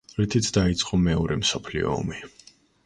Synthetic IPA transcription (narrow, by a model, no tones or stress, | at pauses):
ɾit̪ʰit̪sʰd̪ait̪sʼqʼɔmɛɔɾɛmsɔpʰlḭɔ̰ːmi